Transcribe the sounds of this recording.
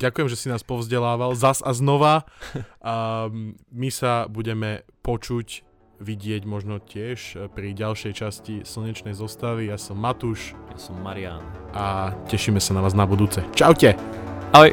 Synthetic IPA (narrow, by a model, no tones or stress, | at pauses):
ɟakujɛmʒɛsinaːspɔvzɟɛlaːʋalzazaznɔʋa | misabuɟɛmɛpɔt͡ʃuc | ʋiɟɪɛɟmɔʒnɔcɪɛʃpɾiɟalʃɛjt͡ʃascisl̩ɲɛt͡ʃnɛjzɔst̪aʋijaːsɔmːat̪uʃjasɔmːaɾɪa̰nacɛʃimɛsanaʋaːznabud̪uːt͡sɛt͡ʃaʊcɛalɛ